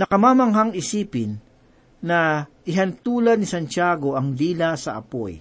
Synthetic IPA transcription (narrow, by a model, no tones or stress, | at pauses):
nɐkɐmaːmɐŋɦaŋɪsiːpɪnː | ɐʔɪɦɐnt̪uːlɐd̪nɪsɐnt͡ʃaːɡo̞ʔɐŋliːlasɐʔɐ̰po̰j